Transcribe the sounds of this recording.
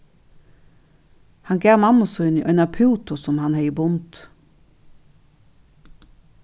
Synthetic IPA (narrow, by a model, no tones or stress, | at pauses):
hɑŋɡæːmɑmʊsɔʏniʔœʏnɑpʰʉːt̪ʊsɔmhɑnheːibʊnt̪